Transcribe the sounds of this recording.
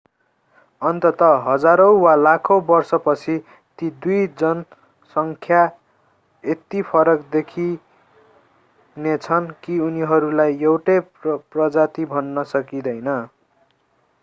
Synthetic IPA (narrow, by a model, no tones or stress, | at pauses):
ʌnt̪ʌt̪ʌɦʌd͡zaɾʌw̃walakʰobʌrsʌpʌt͡sʰi | t̪id̪ujd͡zʌn | sʌŋkʰja | et̪ipʰʌɾʌkd̪ekʰi | net͡sʰʌnkiuniɦʌɾulajewʈʌjprʌd͡zat̪ibʱʌnːʌsʌkid̪ʌjnʌ